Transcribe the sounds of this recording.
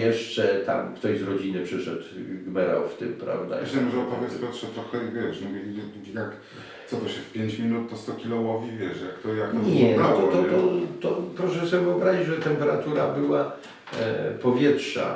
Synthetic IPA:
jɛʂt͡ʂɛt̪a̰mkt̪ɔɕzɾɔd͡ʑinɨpʂɘʂɛt̪ɡmɛɾa̰wft̪ɪmpɾa̰vd̪a̰ɕɛmɔʐɛɔpɔvʲjɛtspɔjɛt̪ʂɛt̪ɾɔxɛvʲjɛʂnɔ | jak̪ | sɔt̪ɔɕɛfpʲjeɲt͡ɕmʲinut̪̚ːɔst̪ɔkʲilɔwɔvʲivʲjɛʂjakt̪ɔjak̪ɔɲɛnaɔt̪ɔɔt̪ɔpɾɔʂɛsɛvɨɔbɾaʑid͡ʑʐɛt̪ɛmpɛɾat̪uɾabɘwa | pɔvʲjɛtʂa̰

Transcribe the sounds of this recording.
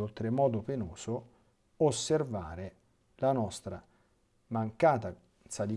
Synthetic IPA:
olt̪ɾemɔːd̪openoːso | osːervaːɾe | lanɔst̪ɾa | maŋkaːt̪a | sad̪i

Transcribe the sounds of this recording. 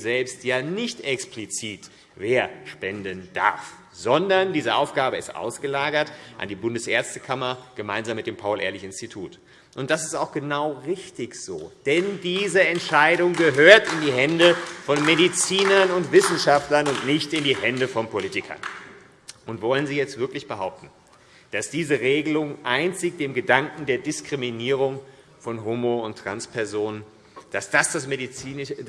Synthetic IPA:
zɛlpstjaːnɪçtɛksplit͡siːt | veːɐʃpɛndənd̥a̰ɐf | z̥ɔndɐndiːzəʔaʊfɡ̥aːbəɪstʔa̰ʊsɡ̥əlaːɡɐtʔa̰ndiːbʊndəsʔeːɐt͡stə̥kʰamɐɡ̥əmaɪnzaːmːɪt̚d̥eːmpʰaʊlʔḛːɐlɪçɪnstitʰuːt | ʔʊnt̚d̥asɪstaʊxɡ̥ənaʊʁɪçtɪçz̥o̰ːd̥ɛndiːzəɛntʃaɪɾʊŋɡəɦøːɐtɪndiːɦɛndəfɔnmedit͡siːnɐnʊntv̥ɪsn̩ʃaftlɐnʊntnɪçtɪndiːɦɛndəfɔnpʰoliːtɪkʰɐ̰n | ʔʊntv̥ɔlənziːjɛt͡stv̥ɪɐklɪçb̥əɦaʊp̚tn̩ | d̥asd̥iːzəʁeːɡəlʊŋʔaɪnt͡sɪçd̥eːmɡədaŋkŋ̩deːɐdɪskʁ̥iminiːʁ̞ʊŋ | fɔnɦumoʊntʁ̥a̰nspʰɛɐzoːnən | d̥asd̥asd̥asmedit͡siːn

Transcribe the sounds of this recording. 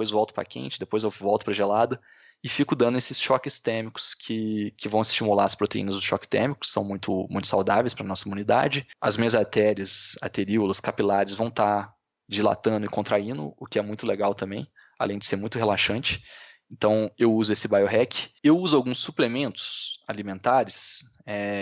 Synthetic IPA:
d̪epojzvɔwt̪ʊpɾa̰kḛ̃nt͡ʃɪd̪epojzewvɔwt̪ʊ̥pɾɐʒelad̪ɐ | ɪfikʊd̪ɐ̃nd̪ʊesɪsʃɔkɪst̪ɛɾmikʊ̥skʰɪkɪvɐ̃w̃ɪst͡ʃimula̰ɾɐspɾot̪eḭnɐzd̪ʊʃɔkɪ̥t̪ɛ̰ɾmikʊ̥ssːɐ̃w̃mũj̃t̪ʰʊmũj̃t̪ʊsawd̪avejspɾɐnɔsɐimũnid̪a̰d͡ʒɪɐzmĩɲɐzat̪ɛɾɐsa̰t̪eɾiulɐskapilaɾɪzvɐ̃w̃t̪a | d͡ʒila̰t̪ɐ̃nd̪ʊɪkõnt̪ɾaĩnd̪ʊ̰ʊkɪɛmũj̃t̪ʊleɡawt̪ɐ̃mbẽj̃ | a̰lẽj̃d͡ʒɪseɾmũj̃t̪ʊɦelaʃɐ̃nt͡ʃɪ̥ẽnt̪ɐ̃w̃ewuzʊesɪbajoɦɛkɪ̥ewuzʊawɡũsːuplemẽnt̪ʊ̥sa̰limẽnt̪aɾɪs | ɛ

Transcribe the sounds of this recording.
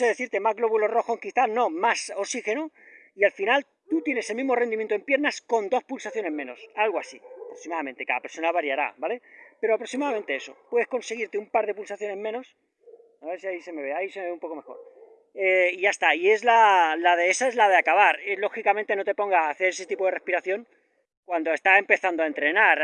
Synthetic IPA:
seðe̞θiɾt̪e̞mazɣlo̞βulo̞ro̞xoŋkiθano̞maso̞sixe̞no | ialfinal | t̪ut̪je̞ne̞selmĩɦmo̞rend̪imjent̪oe̞mpje̞ɾnasko̞nd̪o̞spulsaθjo̞ne̞zmeno̞salɣoasiapɾoksimaðament̪e̞kaðapeɾso̞naβaɾjaɾa̰βale̞pe̞ɾoapɾo̞ksimaðamẽ̞nt̪e̞e̞so̞̰pwe̞ðeko̞nseɣ̞iɾt̪eumpaɾðe̞pulsaθjo̞ne̞zmẽ̞no̞s | aβe̞ɾsiaise̞me̞βeaise̞meeumpo̞ko̞me̞xo̞̰ɾ | eiʝaest̪aie̞zlalaðe̞esae̞zlað̞eakaβaɾelo̞xikamẽ̞nt̪e̞no̞t̪e̞po̞ŋɡaːθe̞ɾese̞t̪ipo̞ðrespiɾaθjo̞ŋ | kwand̪o̞e̞st̪ae̞mpe̞θand̪oae̞nt̪ɾe̞naɾ

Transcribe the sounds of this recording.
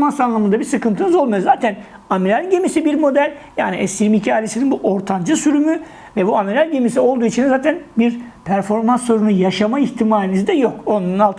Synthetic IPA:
mansanlˠamɯnd̪abiɾsɯkɯnt̪ʰɯnɯzo̞lˠmajuzaːt̪ʰæn | amiɾalʲɟe̞misibiɾmo̞d̪ælʲ | jaːniʔɛsiɾimicʰiaːlʲesininbuʔo̞ɾt̪ʰand͡ʒɯsyɾymy | vɛbuamiɾalʲɟe̞misio̞lˠd̪uːit͡ʃʰinzaːt̪ʰænbiɾpʰæɾfo̞ɾmansːo̞ɾunujaʃamaiçt̪ʰimaːlʲinizd̪ɛjo̞ko̞nunalˠt̪ʰ

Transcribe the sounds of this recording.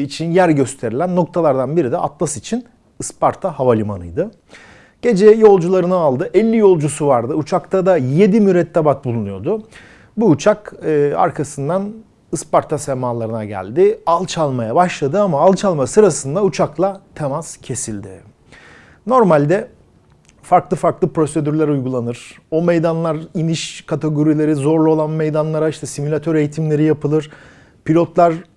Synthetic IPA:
it͡ʃʰinjæɾɟø̞st̪ʰe̞ɾilʲænːo̞k̚t̪ʰalˠaɾd̪anbiɾid̪ɛʔa̰t̪lˠasit͡ʃʰin | ɯspʰaɾt̪ʰahavalʲimanɯjd̪ɯ | ɟ̥e̞d͡ʒɛjo̞lˠd͡ʒulˠaɾɯnɯalˠd̪ɯʔɛlʲːijo̞lˠd͡ʒusuvaɾd̪ɯut͡ʃʰakt̪ʰad̪aje̞d̪imyɾɛt̪ʰːabat̪̚bulˠunujo̞d̪ʊ | buːt͡ʃʰakɯa̰ɾkʰasɯnd̪an | ɯspaɾt̪ʰasɛmaːlˠaɾɯnaɟæ̰lʲd̪ɪalˠt͡ʃʰalˠmajabaʃlˠad̪ɯamaːlˠt͡ʃʰalˠmasɯɾasɯnd̪aut͡ʃʰaklˠat̪ʰemaz̥cʰe̞silʲd̪ɪ̰ | no̞ɾmalʲd̪ɛ | faɾklˠɯfaɾklˠɯpɾo̞se̞d̪yɾlʲæɾujɡulˠanɯɾ̥o̞mejd̪anlˠaɾiniʃkʰat̪ʰeɡo̞ɾilʲe̞ɾizo̞ɾlˠuo̞lˠanme̞jd̪anlˠaɾaiʃt̪ʰɛsimulʲat̪ʰøɾejit̪ʰimlʲe̞ɾijapɯlˠɯɾ̥ | pʰilʲo̞t̪lˠaɾ

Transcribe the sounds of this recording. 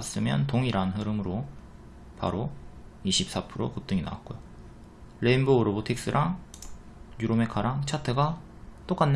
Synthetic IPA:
s͈ɯmjʌntoŋiɾanɦɯɾɯmɯɾo | pa̰ɾoiɕʰip̚s͈apʰɯɾokut͈ɯŋina̰wa̰k͈ojo | ɾenboːɾobotʰek̚s͈ɯɾʔaŋ | juɾome̞kʰaɾaŋt͡ɕʰatʰɯɡa | t͈ok͈anː

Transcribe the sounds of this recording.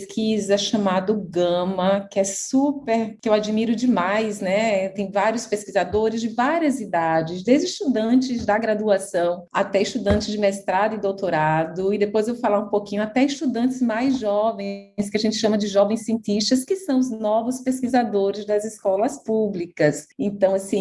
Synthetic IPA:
skʰizɐʃɐmad̪ʊɡɐ̃mɐkɪɛsupeɾkɪewad͡ʒimiɾʊd͡ʒɪmajsnɛt̪ẽj̃vaɾjʊspeskizad̪oɾɪzd͡ʒɪvaɾiɐzid̪ad͡ʒɪzd̪ezd͡ʒɪist̪ud̪ɐ̃t͡ʃɪzd̪ɐɡɾad̪uasɐ̃w̃a̰t̪ɛɪst̪ud̪ɐ̃nt͡ʃɪzd͡ʒɪmest̪ɾad̪ʊɪ̃d̪owt̪oɾad̪ʊid̪epojzewvofalaɾũpokĩɲʊat̪ɛɪst̪ud̪ɐ̃nt̪ɪzmajzʒɔvẽj̃skɪaʒẽnt͡ʃɪ̥ʃɐ̃mɐd͡ʒɪʒɔvẽj̃siẽnt̪iʃt͡ʃikɐskɪsɐ̃w̃ʊznɔvʊspeskizad̪oɾɪzd̪ɐzɪskɔlɐspublikɐsẽnt̪ɐ̃w̃asĩ

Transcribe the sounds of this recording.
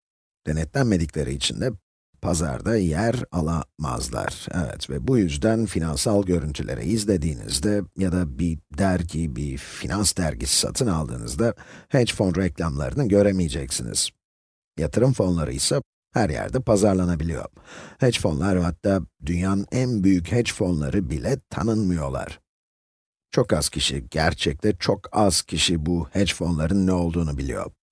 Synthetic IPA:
d̪̥e̞nɛt̪lʲænme̞d̪iclʲe̞ɾiːt͡ʃʰind̪ɛ | pʰaza̰ɾd̪ajæɾalˠama̰zlˠa̰ɾ̥ɛvɛ̰t̪vɛbujyzd̪ænfinansalˠɟø̞ɾynt̪ʰylʲe̞̰ɾʔɛ̰izlʲe̞d̪iːnḭzd̪ɛjad̪abid̪æɾcʰibifinansd̪æɾɟisi̥sa̰t̪ʰɯnalˠd̪ɯ̰ːnɯ̰zd̪ahed͡ʒfo̞nɾɛclʲamlˠa̰ɾɯnɯɟø̞ɾemijed͡ʒɛcsinḭz̥ | jat̪ʰɯɾɯmfo̞nlˠaɾɯ̰jsa | hæɾjæ̰ɾd̪ɛpʰazaɾlˠanabilʲijo̞̰ɾhɛd͡ʒfo̞nlˠaɾhat̪ʰːaːd̪ynjaːnɯnʔænbyjychɛd͡ʒfo̞nlˠa̰ɾɯbilʲɛt̪ʰa̰nɯnmɯjo̞lˠa̰ɾ̥ | t͡ʃʰo̞kaz̥cʰiʃḭɟ̥æɾt͡ʃʰɛc̚t̪ʰɛt͡ʃʰo̞kʰaz̥cʰiʃibuhɛd͡ʒfo̞nlˠaɾɯnːɛo̞lˠd̪uːnubilʲḭjo̞̰

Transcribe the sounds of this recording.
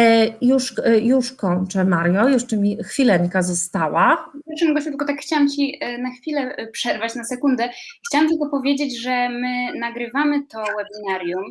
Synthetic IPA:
juʂjuʂkɔɲt͡ʂɛmaɾjɔjuʂt͡ʂɘmʲixfʲilɛɲkazɔst̪awaɛɾʂɨmɡɔɕt͡ɕɛt̪lkɔt̪akxt͡ɕawamt͡ɕinaxfʲilɛpʂɛɾvat͡ɕnasɛkund̪ɛxt͡ɕawamt̪ɘltkɔpɔvʲjed͡ʑed͡ʑʐɛmɘnaɡɾɘvamɘt̪ɔwɛbʲinaɾjum

